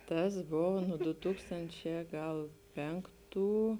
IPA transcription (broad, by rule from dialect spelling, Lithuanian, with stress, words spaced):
ˈtɐs ˈboːʋoː nʊ ˈdʊ ˈtuːkstɐnʲt͡ʃʲɛː ˈɡɐlˠ ˈpʲɛŋˌktuː